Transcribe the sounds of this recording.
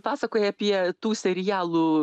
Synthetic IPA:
pɑːsɐkoːjɛɐpʲiɛt̪uːsʲɛɾʲɪjæːlˠuː

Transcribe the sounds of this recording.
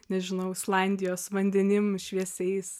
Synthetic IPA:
nʲɛʒʲɪnɐʊslˠɑnʲd̪ʲɪjoːsʋɐnʲd̪ʲɪnʲɪmʃʲʋʲiɛsʲɛɪs

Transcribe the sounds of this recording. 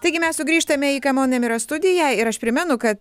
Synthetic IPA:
t̪ɐɪɡʲɪmʲɛssʊɡɾʲiːʃt̪ɐmʲɛiːkɐmoːnʲemɪɾɐst̪ʊd̪ʲɪjɛːɪɾɐʃpʲɾʲɪmʲɛnʊkɐt̪

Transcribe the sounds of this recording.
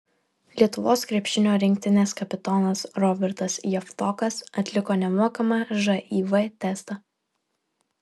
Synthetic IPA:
lʲiɛt̪ʊʋoːskɾʲiɛpʲʃʲɪnʲoːɾʲɪŋk̚ʲt̪ʲɪnʲeːskɐpʲɪt̪ɔːnɐsɾɔbʲɛɾt̪ɐsjɛft̪ɔkɐsɐt̪ʲlʲɪkoːnʲɛmuɔkɐmɑʒɐʔiːʋɐt̪ʲɛst̪ɐ

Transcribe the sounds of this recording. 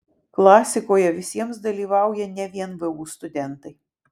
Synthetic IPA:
klˠɑːsʲɪkoːjɛʋʲɪsʲiɛmsd̪ɐlʲiːʋɑˑʊjɛnʲɛʋʲiɛnʋɨuːst̪ʊd̪ʲɛnt̪ɐɪ

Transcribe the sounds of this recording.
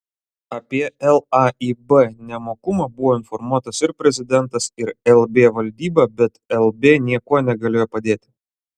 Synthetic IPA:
ɐpʲiɛɛlˠɑiːbɛnʲɛmoːkʊmɑːbʊʋoːɪnfɔɾmuɔt̪ɐsɪɾpʲɾʲɛzʲɪd̪ʲɛnt̪ɐsɪɾɛlˠbʲeːʋɐlʲd̪ʲiːbɑːbʲɛt̪ɛlˠbʲeːnʲiɛkuɔnʲɛɡɐlʲeːjoːpɐd̪ʲeːt̪ʲɪ̥

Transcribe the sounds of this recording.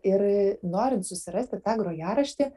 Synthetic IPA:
ɪɾnoːɾʲɪnt̪sʊsʲɪɾɐsʲt̪ʲɪt̪ɑːɡɾoːjɑːɾɐʃʲt̪ʲɪː

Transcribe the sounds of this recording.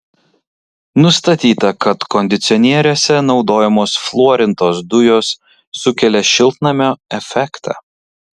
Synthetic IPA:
nʊst̪ɐt̪ʲiːt̪ɐkɐt̪kɔnʲd̪ʲɪt̪sʲɔnʲiɛɾʲoːsʲɛnɒʊd̪oːjɛmoːsflˠuɔɾʲɪnt̪oːsd̪ʊjoːsː | ʊkʲɛlʲɛʃʲɪlˠt̪nɐmʲoːɛfʲɛkt̪ʰɑ̰ː

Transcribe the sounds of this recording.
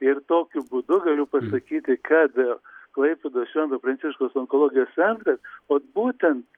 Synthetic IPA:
ɪɾt̪oːkʲʊbʊd̪ʊɡɐlʲʊpɐsɐkʲiːt̪ʲɪkɑːd̪ʲelˠklˠɐɪpʲed̪oːsʃʲʋʲɛnd̪oːpɾɐntsʲɪʃkoːsoŋkolˠoːɡʲɪjoːssʲɛnt̪ɾɐsoːt̪buːt̪ʲɛnt̪

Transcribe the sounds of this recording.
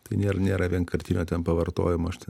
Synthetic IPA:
t̪ɐɪnʲeːɾɐnʲeːɾɐʋʲiɛnkɐɾʲt̪ʲɪnʲoːt̪ʲɛnpɐʋɐɾt̪o̰ːjɪmoːɐʃt̪ʲɛ

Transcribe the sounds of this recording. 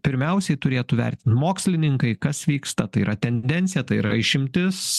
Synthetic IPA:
pʲɪɾʲmʲɛʊsʲɛɪt̪ʊɾʲeːt̪ʊʋʲɛ̰ɾʲt̪ʲɪnt̪moːksʲlʲɪnʲɪŋkɐɪkɐsʋʲiːkst̪ɐt̪ɐɪiɾʔɐt̪ʲɛnʲd̪ʲɛnʲt̪sʲɪjɛt̪ɐɪiɾɐ̰ɪʃʲɪmʲt̪ʲɪs

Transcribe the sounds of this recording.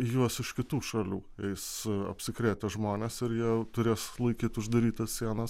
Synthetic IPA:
juɔsɪʃkʲɪt̪uːʃɐlʲṵːɛɪsɐ̰pʲsʲɪkɾʲeːt̪ʲɛʒmoːnʲɛsɪɾjiɛt̪ʊɾʲeːslˠɐɪkʲiːt̪ʊʒd̪ɐɾʲiːt̪ɐssʲiɛnɐs

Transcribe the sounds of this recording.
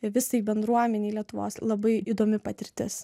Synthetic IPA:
ʋʲɪsɐɪbʲɛnd̪ɾuɔmʲɛnʲɛɪlʲiɛt̪ʊʋo̰ːslˠɐbɐɪid̪oːmʲɪpɐt̪ʲɪɾʲt̪ʲɪs

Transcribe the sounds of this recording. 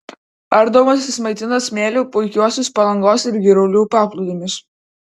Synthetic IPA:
ɐɾd̪oːmɐsʲɪsmɐɪt̪ʲɪnɐsmʲeːlʲoːpʊɪkʲuɔsʲʊspɐlˠɐŋɡoːsɪɾɡʲiɾɐʊlʲuːpɑːplˠʊd̪ʲɪmʲɪs

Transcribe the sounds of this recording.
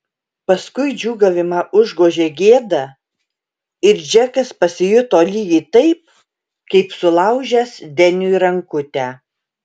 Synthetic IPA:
pɐskʊɪd͡ʒʲuːɡɐʋʲɪmɑʔʊʒɡoːʒʲeːɡʲeːd̪ɐ | ɪɾd͡ʒʲɛkɐspɐsʲɪjʊt̪oːlʲiːjʲit̪ɐɪp̚ | kɐɪpsʊlˠɐʊʒʲɛsd̪ʲɛnʲʊiɾɐŋkʊt̪ʲæː

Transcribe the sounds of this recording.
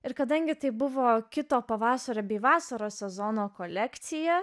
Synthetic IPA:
ɪɾkɐd̪ɐŋʲɡʲɪt̪ɐɪbʊʋoːkʲɪt̪oːpɐʋɑːsɐɾʲoːbʲɛɪʋɑːsɐɾoːsʲɛzoːnoːkoːlʲɛkt̪sʲɪjɛ

